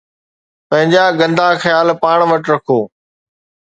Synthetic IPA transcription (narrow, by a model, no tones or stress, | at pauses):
pɐ̃ɦɪ̃ɲd͡ʑaːɡə̃nd̪aːxəjaːlpaːɳ̃ʋəʈɾɐkʰoː